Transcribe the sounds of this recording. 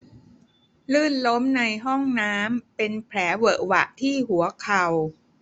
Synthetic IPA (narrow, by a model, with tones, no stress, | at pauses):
lɯː˥˩nlo˦˥mna˧jɦɔ˥˩ŋnaː˦˥mpe˧npʰɾɛː˩˦wɤ˨˩ʔwa̰˨˩ʔt̪ʰiː˥˩ɦu˩˦ɐkʰa˨˩w